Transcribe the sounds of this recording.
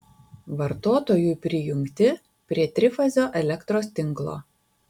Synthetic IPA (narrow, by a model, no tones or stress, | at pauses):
ʋɐɾt̪oːt̪oːjuːpʲɾʲɪjʊŋʲkt̪ʲɪ | pʲɾʲiɛt̪ʲɾʲɪfɐzʲoːʔɛlʲɛkt̪ɾoːst̪ʲɪŋˑklˠo̰ː